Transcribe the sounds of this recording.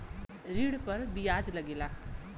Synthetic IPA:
ɾiɽ̃pəɾbijaːd͡ʒləɡeːlaː

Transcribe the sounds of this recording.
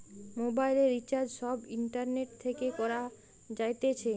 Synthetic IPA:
mobajleɾːit͡ɕaɾd͡ʑʃɔbiɳʈaɾneʈ̚t̪ʰekekɔɾa | d͡ʑajt̪et͡ɕʰe

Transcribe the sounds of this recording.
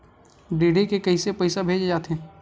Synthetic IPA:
ɖeːɽekekɐɦisepɐɪsabʱeːd͡ʒd͡ʒaːt̪eɦɛ̃ː

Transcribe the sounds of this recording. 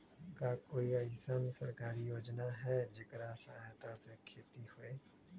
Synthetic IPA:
kakoːiɐɪsənsɐɾkaːɾijoːd͡ʒnaɦɛd͡ʒɪkɾasaɦt̪asekʰeːt̪ihʊeː

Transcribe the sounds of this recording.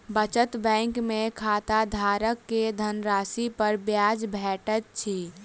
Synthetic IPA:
bət͡ʃət̪bɛ̃ŋkmekʰat̪ad̪ʱaɾəkːed̪ʱənɾasipəɾbjad͡ʒbʱɛʈət̪̚t͡ʃʰi

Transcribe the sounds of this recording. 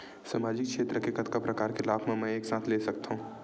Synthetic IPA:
samaːd͡ʒɪkkʃʰeːt̪ɾəkekɐt̪̚kapɾɐkaːɾxɪlaːbmẽmɛ̃eːksaːt̪ʰleːsɐk̚t̪aɦũː

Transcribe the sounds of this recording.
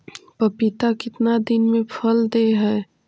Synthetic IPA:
pɐpɪt̪akɪt̪nad̪ɪnmẽpʰəld̪eɦɛː

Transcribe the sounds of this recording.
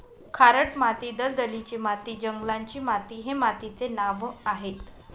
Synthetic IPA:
kʰaɾəʈmat̪iːd̪əld̪əlit͡ɕemat̪iːd͡ʑəŋɡlaɲt͡ɕiːmat̪iːɦemat̪it͡senaʋaɦet̪

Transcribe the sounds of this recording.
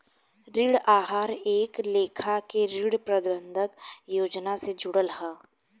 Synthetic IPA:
ɾɪɽaːɦaːɾeːkleːkʰakeɾɪɽpɾɐd̪bə̃nd̪ʱəkjoːd͡ʒnased͡ʒʊɽəlɦaː

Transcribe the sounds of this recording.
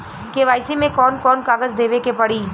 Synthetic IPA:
keʋaːɪsimẽkɔːnkɔːnkaːɡəzd̪eːʋekepɐɽiː

